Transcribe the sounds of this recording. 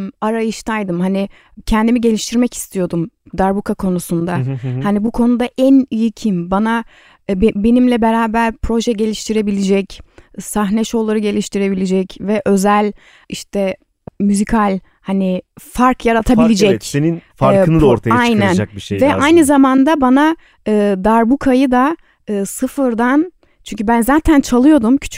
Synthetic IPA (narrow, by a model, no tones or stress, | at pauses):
aɾajɯʃt̪ʰajd̪ɯmhani | cʰɛnd̪imiɟe̞lʲiʃt̪ʰiɾmɛci̥st̪ʰijo̞d̪um | d̪aɾbukʰakʰo̞nusund̪ahanibukʰo̞nud̪aʔænijicʰimbana | bbe̞nimlʲɛbeɾaːbæɾpʰɾo̞ʒɛɟe̞lʲiʃt̪ʰiɾe̞bilʲid͡ʒɛcsaɦnɛʃolˠːaɾɯɟe̞lʲiʃt̪ʰiɾe̞bilʲid͡ʒɛcvɛʔø̞zælʲ | iʃt̪ʰɛ | myzikʰalʲ | hanɪfaɾkʰjaɾat̪ʰabilʲid͡ʒɛceninfaɾɯnɯd̪oɾt̪aaajnænakbiʃvɛʔajnɯzamand̪abana | ɯːd̪aɾbukʰajɯd̪a | ɯːsɯfɯɾd̪an | t͡ʃʰyɲcʰybænzaːt̪ʰænt͡ʃʰalˠɯjo̞d̪umcʰy̥t͡ʃʰy̥